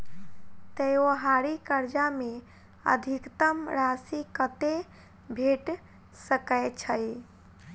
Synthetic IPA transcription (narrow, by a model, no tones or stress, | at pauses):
t̪əjoɦaɾikəɾd͡ʒame | ə̰d̪ʱikt̪əmɾasikət̪e | bʱeʈ | səkəjt͡ʃʰəj